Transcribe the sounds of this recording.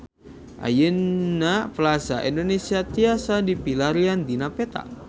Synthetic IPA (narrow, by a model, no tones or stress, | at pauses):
ʔa̰jənnːapəlasa̰ʔindonesiat̪iasadipilaɾiand̪inapɛt̪a̰